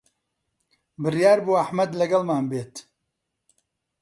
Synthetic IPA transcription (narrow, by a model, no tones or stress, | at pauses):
bɨrjaːɾbuːɐħmɐd̪lɐɡɐlmaːnbeːt̪